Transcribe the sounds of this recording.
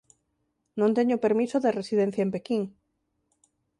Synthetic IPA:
nõnt̪eɲopeɾmisoðeresiðen̟θjaɐempekiŋ

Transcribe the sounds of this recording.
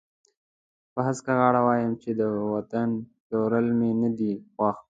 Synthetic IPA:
pəɦaskaɣɑɽawɑjəmt͡ʃed̪əwat̪anʈoɾəlmenad̪ixwɑx

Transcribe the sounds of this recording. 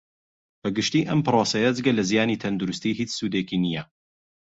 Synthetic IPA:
b̥ɐɡɨʃt̪iːʔɐmpɨɾoːsɐjɐd͡zɨɡɐlɐzijaːniːt̪ʰɐnd̪uɾʊst̪iːɦiːt͡ʃsuːd̪eːkinijɐ

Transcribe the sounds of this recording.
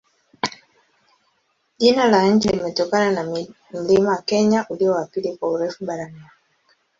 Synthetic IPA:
ʄinalaɲ̩t͡ʃilimɛtɔkanana | m̩limawakɛɲaʔuliɔapilikwauɾɛfuɓaɾaniwa | a

